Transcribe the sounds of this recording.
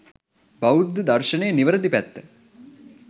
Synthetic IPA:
bɐud̪d̪ɐɾʃɐneːniʋɐɾɐd̪ipæt̪ː

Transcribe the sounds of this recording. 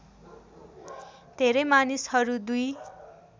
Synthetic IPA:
d̪ʱeɾʌjmanishʌɾud̪uj

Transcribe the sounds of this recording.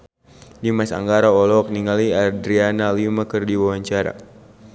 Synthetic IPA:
dimasa̰ŋɡaɾaɔlɔk̚niŋaliadɾianalimakərdiwawaɲt͡ʃaɾa̰

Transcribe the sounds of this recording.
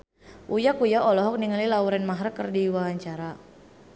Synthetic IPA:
ʔujakujaʔɔlɔɦɔk̚niŋalilauɾɛnmaɦɾəkərdiwaɦaɲt͡ʃaɾa

